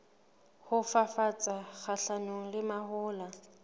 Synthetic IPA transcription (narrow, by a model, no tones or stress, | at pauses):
hʊfafat͡sʼaχaɬanoŋ̩lɪmahʊːla